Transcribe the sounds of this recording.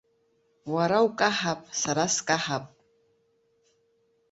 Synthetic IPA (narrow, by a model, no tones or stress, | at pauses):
waɾawkʼaħapʼsaɾaskʼaħapʼ